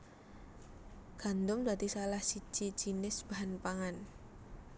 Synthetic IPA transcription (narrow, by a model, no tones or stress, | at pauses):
ɡ̥a̤nd̪ʊŋdad̪isalahsi̥d͡ʒ̥i̥d͡ʒinɪsb̥aɦanpaŋan